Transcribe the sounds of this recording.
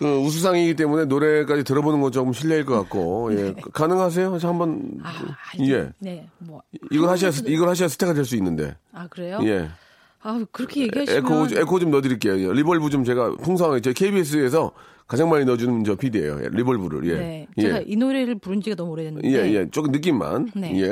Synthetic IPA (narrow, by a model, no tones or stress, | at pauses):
kɯus̬ʰus̬ʰaŋiɡit͈e̞mune̞noɾe̞k͈ad͡ʑitɯɾʌbonɯnɡʌt͡ɕokɯmɕʰiʎːiaiɭk͈ʌk͈ak̚k͈ojekanɯŋɦas̬ʰe̞johambʌn̰ | je̞̰ | iɡʌɭhaɕʰiasʰiɡʌɭhaɕ̬ʰiasʰɯ̥tʰekadeɭs̬͈uinːɯnde̞̰akɯɾejoje̞̰ | akɯɾʌkʰeɡiaekʰoekʰot͡ɕomnʌdɯɾik͈e̞jojeɾibʌɭbud͡ʑomt͡ɕe̞ɡapʰuŋs̬ʰʌŋat͡ɕekʰebies̬͈ʰɯes̬ʰʌ | kad͡ʑaŋmaɲinʌd͡ʑunɯt͡ɕʌpʰidḛjo̰jḛɾibʌɭbuɾɯ̰ɭje̞̰jeinoɾeɾɯɭpuɾɯnd͡ʑiɡanʌmoɾedenje̞je̞t͡ɕ͈ok͈ɯmnɯk͈imːa̰nneje